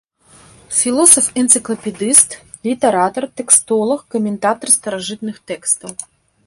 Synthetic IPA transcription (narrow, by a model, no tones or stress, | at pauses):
fʲilˠɔsɐfɛnt̪sɨklˠɐpʲɛd̪ɨst̪ | lʲit̪ɐɾat̪ɐrt̪ɛkst̪ɔlˠɐxkɔmʲɛnt̪at̪ɐrst̪ɐɾaʐɨt̪nɨxt̪ɛkst̪ɐw